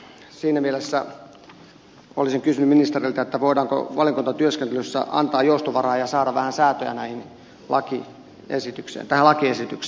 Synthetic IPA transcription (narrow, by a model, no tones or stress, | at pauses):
siːnæmielesːæ | o̰lisiŋkysynyminist̪erilt̪æet̪ːæʋoidɑːŋko̰ʋɑlikunt̪ɑt̪yøskent̪elysːæ̰ʔɑ̰nt̪ɑːjjoust̪oʋɑrɑːjɑsɑːɾɑʋʋæhænsæːt̪øjæ̰næihin | lʔɑki | esit̪yksḛːnt̪æhælɑkiesit̪yksː